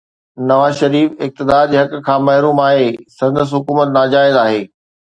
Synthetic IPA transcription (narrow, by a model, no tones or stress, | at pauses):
nɐʋaːzʃɐɾiːfɪk̚t̪ɪd̪aːɾd͡ʑeːɦɐkkʰãːmɐɦɾuːmaːɦesɐ̃nd̪əs̬ɦʊkuːmət̪naːd͡ʑaːɪzaːɦeː